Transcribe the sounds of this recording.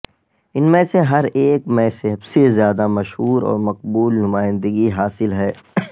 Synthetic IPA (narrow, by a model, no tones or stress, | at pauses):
ɪnmẽːseɦɐɾeːkmɛ̃ːseɦbsezjaːd̪amɐʃɦuːɾɔ̰ːɾmɐq̚buːlnʊmaːɪ̃nd̪əɡiɦaːsɪlɦɛː